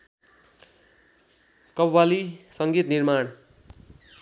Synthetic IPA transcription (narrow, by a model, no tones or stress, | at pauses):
kʌbwalisʌŋɡit̪nirmaɳ